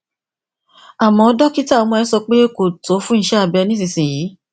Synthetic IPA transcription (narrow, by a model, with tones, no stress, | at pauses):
a˨mɔ̃˨˦ɔ˦dɔ˦ki˦ta˦˨ɔ˨˧˦mɔ̃˧ɛ˧˦sɔ˧k͡pe˦ko˨to˨˦fũ˦n̩˦˧ʃɛ˦a˧˨bɛ˧nĩ˦s̬ĩ˧˨sĩ˨jiː˨˦